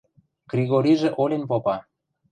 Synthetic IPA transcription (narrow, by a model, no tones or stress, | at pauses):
ɡrʲiɣoɾʲiʒĕʔolʲenpopɑ